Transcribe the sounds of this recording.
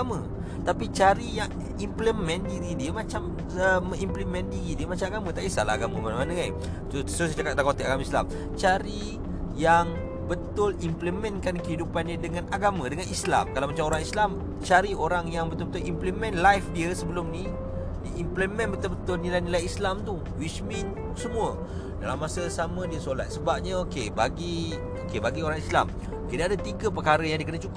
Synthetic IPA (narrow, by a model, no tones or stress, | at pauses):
mã | t̪apit͡ʃaɾijaŋ | impləmɛ̃ndiɾidiəmat͡ʃam | əməŋimpləmɛ̃ndiɾidiəmat͡ʃamaɡamãt̪aʔisa̰laaɡaməmanamanəɡaj | ssat͡ʃakat̪̚dakot̪ɪk̚aɡamaisla̰m | t͡ʃaɾi | jaŋ | bət̪ʊlimpləmɛnkankəɦidupanːədəŋanaɡamãdəŋanisla̰mkalawmat͡ʃamoɾaŋislam | t͡ʃaɾioɾaŋjaŋbət̪ʊlbət̪ʊlimpləmɛ̃nlajfdiəsəbəlʊmni | diimpləmɛ̃nbət̪ʊlbət̪ʊlnilajnilajislamt̪u | wismin | səmũə | da̰lamːasəsamə̃diəsola̰t̪̚səbap̚ɲəokeba̰ɡi | okebaɡioɾaŋisla̰m | okedaadat̪iɡap̬ərkaɾəjaŋdikənat͡ʃuk